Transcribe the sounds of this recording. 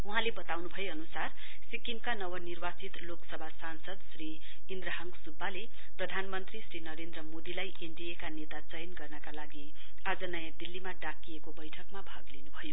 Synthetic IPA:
uɦãlebʌt̪awnubʱʌjeʌnusar | sikimkanʌwʌnirbat͡sit̪loksʌbʱasansʌd̪sri | ind̪rʌɦʌŋɡsubːale | prʌd̪ʱanmʌnt̪risrinʌɾend̪rʌmod̪ilajʔeɳɖiekanet̪at͡sʌjnɡʌrnʌkalaɡi | ad͡zʌnʌjãd̪ilːimaɖakːiekobʌjʈʰʌkmabʱaɡlinubʱʌjo

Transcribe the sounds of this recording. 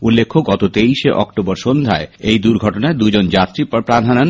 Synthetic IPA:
ulːekʰːoɡɔt̪ot̪eiʃeʔɔ̰kʈobɔɾʃond̪ʱa̰eejd̪uɾɡʱɔʈonaed̪ud͡ʑond͡ʑat̪ɾippɾad̪ʱanan

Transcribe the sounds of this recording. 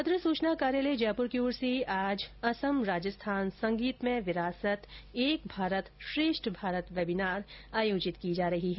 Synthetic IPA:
ɐd̪ɾəsuːt͡ʃnakaːɾjaːled͡ʒɛːpʊɾkiuːɾsiaːd͡ʒɐsəmɾaːd͡ʒəst̪ʰaːnsɐ̃ŋɡiːt̪mẽʋɪɾaːsət̪eːk̚bʱaːɾət̪ʃɾeːʃʈʰbʱaːɾət̪ʋɛbɪnaːɾaːjoːd͡ʒɪt̪kid͡ʒaːɾɐɦiɦɛː

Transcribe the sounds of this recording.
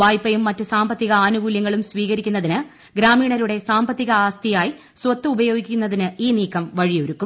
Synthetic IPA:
ʋaːjpːɐjumːɐtːɨsaːmbɐt̪ːiɣɐaːnuɡuːljɐŋːɐɭumsʋiːɣɐɾikʲːunːɐðinɨ | ɡɾaːmiːɳɐɾuɽe̞saːmbɐt̪ːiɣɐaːst̪ijaːji | swɐt̪ːɨubɐjo̞ːɡikʲːunːɐðinɨiːniːkːɐmʋɐɻijo̞ɾukːum

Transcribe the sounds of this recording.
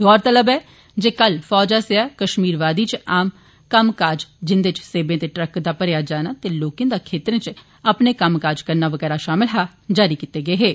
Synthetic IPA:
ɔːɾt̪ələbɛː | d͡ʒeːkəlfɔːd͡ʒaːseaːkəʃmiːɾʋaːd̪iːt͡ʃaːm | kəmkaːd͡ʒd͡ʒɪnd̪eːt͡ʃseːbẽːt̪eːʈɾəkd̪aːpəɾjaːd͡ʒaːnaːt̪eloːkẽːd̪aːkʰeːt̪ɾẽːt͡ʃ | əpneːkəmkaːd͡ʒkəɾnaːʋəɡɛːɾaːʃaːmɪlɦaː | d͡ʒaːɾiːkit̪ːeːɡəeːɦeː

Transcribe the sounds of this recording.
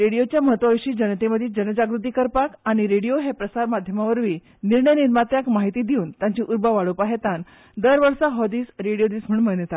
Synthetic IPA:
ɾeɽijot͡ɕjaməɦət̪ʋaʋiɕiːd͡ʑənət̪eməd̪ʱiːd͡ʑənəd͡ʑaɡɾut̪iːkəɾpakaɽ̃iɾeɽijoɦepɾəsaɾmad̪ʱjəmaʋəɾʋiː | niɾɳəjniɾmat̪jakmaɦit̪iːd̪iuːnt̪jãɲt͡ɕiːʔuɾbaʋaɭopaɦet̪an | d̪əɾʋəɾsaɦɔd̪iːsɾeɽijod̪iːsm̤əɳm̤əɭjət̪at̪

